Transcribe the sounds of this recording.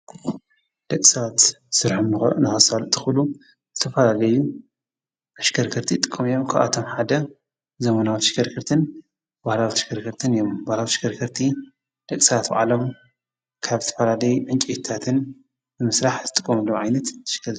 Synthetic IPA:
d̪̥ɐkʼisɐβat̪ | sɨɾħomn̰nɨxɐsalt̪ʰɨ̥xlu | zɨt̪ʰɐfɐlalɐju | ʔaʃɡʰɐɾkʰɨɾt̪ʰit̪ʼɨ̥kʼːɐmijomkʰaβʔa̰t̪ʰo̞mħad̪ɐ | zɐmɐnawit̪ʃɡɐɾkʰɨɾt̪ʰɨn | bahlawit̪ʃɡɐɾkʰɨɾt̪ʰɨnijombahlawt̪ʃɡɐɾkʰɨɾt̪ʰi | d̪̥ɐkʼisɐβat̪ba̰ʕalo̞m | kʰaβzɨt̪ʰɐfɐlalɐjuʕɨnt͡ʃʼit̪t̪ʰːat̪ʰɨn | bɨmɨsɾaħzɨt̪ʼɨkʼːɐmɨlːomʕajnɐt̪ːʃɡɐɾ

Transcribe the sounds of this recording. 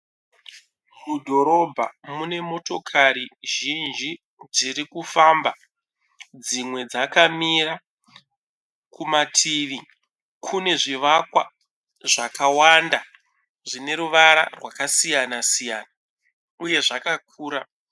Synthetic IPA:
kudʱo̞ɾo̞bʱa̰mune̞mo̞to̞kʰaɾiʒind͡ʒi | d͡ziɾikufamba | d͡zimwe̞d͡zakamira | kumatʰiʋi | kʰune̞ʐiʋakwa̰ | ʐakawanda | ʐine̞ɾuʋaɾa̰rwakasijanasijaːna | uje̞ʐakak̚ʰuːɾa

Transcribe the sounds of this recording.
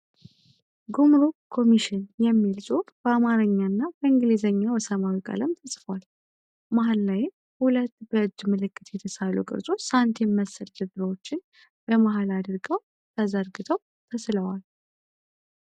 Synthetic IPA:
ɡumɾokʰːo̞miʃɪnjɛmːilsʼot̪ʼb̥əamaɾəɲːanːabəɨŋɡlizəɲːawɔsəmawikʼə̰ləmt̪ʰəsʼfəwal | maɦalːajɪm | hulət̪ːbəɨd͡ʒːmɨlɨkːɨt̪jɛt̪ʰəsalṵkʼɨ̰ɾsʼo̞sant̪ʰjɛmːəsəld̪ɨd̪ɾəwot͡ʃːɪn | bəmaɦalad̪ɨɾɡəw | t̪ʰəzəɾɡɨt̪ʰəw | t̪ʰəsləwal

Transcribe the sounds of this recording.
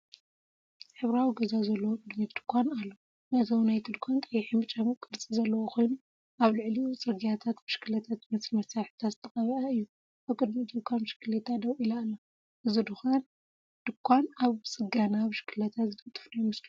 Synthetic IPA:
ħɨβɾawiɡɐzazɐlːɐwokʼɨd̪mid̪̥ɨ̥kʷʰanalːo | nɐt̪ʰɐwnajt̪ʰɨd̪kʷʰant̪ʼɐjːħimɨt͡ʃʼamkʼɨɾt͡sʼizɐlːɐwokʰo̞jnu | ʔaβlɨʕliut͡sʼɨɡijat̪ʰat̪bɨʃkʰɨlɐt̪ʰat̪mɐsmɐsaħt̪ʰazɨt̪ʰɐxʼɐβɐɐɨjːu | ʔaβkʼɨd̪mid̪ɨkʷʰanʃɨ̥kɨlet̪ʰad̪ɐwʔilaːlːɐ | ʔɨzɨd̪ɨxan | d̪̥ɨkʰʷːanaβsʼɨɡanaβɨʃkʰɨlɐt̪ʰazɨt̪ʰʼɨt̪ʼɨ̥fnajumɨslu

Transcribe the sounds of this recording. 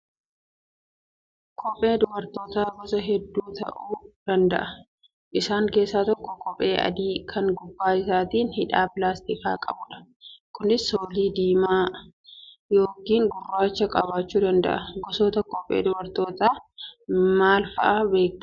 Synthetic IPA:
kʰɔpʼːe̞ːd̪ʊbɐɾt̪oːt̪aːɡɔsɐɦɛd̪ːuːt̪ɐ̰ʔuːd̪̥ɐnd̪ɐ̰ʔɐ | ʔɪsaːŋke̞ːsːaːt̪ɔkːɔkɔpʼe̞ːʔɐ̰d̪iːkʰɐŋɡʊbːaːɪsaːt̪iːnhɪᶑaːplaːst̪ɪka̰ːkʼɐ̰bʊᶑɐ̥kʊnɪsːoːliːd̪iːmaː | jo̞ːkiːŋɡʊrːaːt͡ʃːɐkʼɐbaːt͡ʃːuːd̪ɐnd̪ɐ̰ʔɐɡɔsoːt̪ɐkɔpʼːḛːd̪ʊbɐɾt̪oːt̪aː | maːlfɐ̰ʔaːbe̞ːk

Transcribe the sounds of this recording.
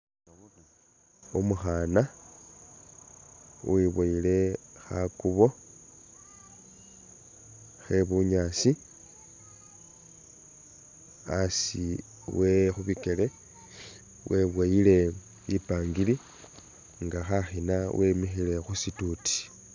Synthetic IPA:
umuxana | wiβwaile̞xa̰kuβo̞ | xeβuɲasi | asi | wexuβike̞le̞ | wʔe̞βwaile̞ | ipaːŋɡili | ŋɡaxaxinawʔemixile̞xusituti̥

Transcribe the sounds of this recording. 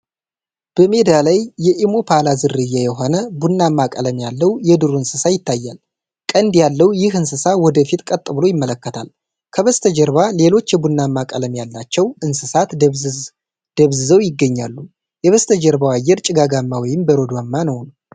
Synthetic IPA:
b̥əme̞d̪alajːɛʔimo̞pʰalazɨrɨjːajɛɦo̞nəbunːamːakʼələmjalːəwjɛd̪ɨɾuɨnsɨsajɪt̪ːajːa̰l | kʼənd̪jalːəwjɪhɨnsɨsawɔd̪əfit̪ʼkʼət̪ʼːɨβɨlo̞jɪmːələkːət̪ʰal | kʰəβəst̪ʰəd͡ʒəɾβale̞lo̞t͡ʃːjɛbunːamːakʼələmjalːat͡ʃːɛwɨnsɨsat̪ | d̪̥əβzɨzəwjɪɡːəɲːalːu | jɛβəst̪ʰəd͡ʒəɾbawajːɛɾt͡ʃʼɪɡaɡamːawɔjɪmbəɾo̞d̪uamːanəwn

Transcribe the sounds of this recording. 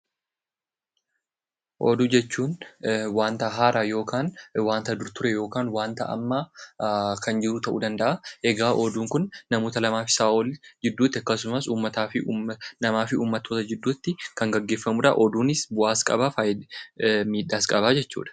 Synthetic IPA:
ʔɔ̰d̪ʊd͡ʒɛt͡ʃːuːnwaːnt̪ɐɦaːɾʔajo̞ːkaːnwaːnt̪ɐd̪ʊɾt̪ʊɾɛjo̞ːkaːnwaːnt̪ɐ̰ʔɐ̰mːa | kʰɐnd͡ʒɪɾʊt̪ɐʔud̪ɐnd̪ɐʔɐʔɛɡaːʔɔd̪uːŋkʊnːɐmo̞ːt̪ɐlɐmaːfɪ̥saːʔɔld͡ʒɪd̪ːuːt̪ːɪɐkːɐs̬ʊmɐsuːmːɐt̪aːfɪnɐmaːfɪʔuːmːɐt̪ːo̞ːt̪ɐd͡ʒɪd̪ːuːt̪ːɪkɐŋɡɐɡːe̞ːfːɐmʊᶑɐ̰ʔɔd̪uːnɪsbʊʔaːskʼɐ̰bafaːj | miːᶑːaːskʼɐbaːd͡ʒɛt͡ʃːṵːᶑɐ̥

